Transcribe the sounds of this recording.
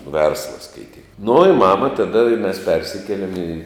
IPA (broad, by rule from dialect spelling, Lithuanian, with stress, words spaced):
ˈʋʲɛrslˠɐ skɐɪˈtʲiːk nʊ ɪ ˈmɑːmɐ tɐˈdɐ ɪ mʲɛs ˈpʲɛrʲsʲɪkʲiɛlʲɛm iː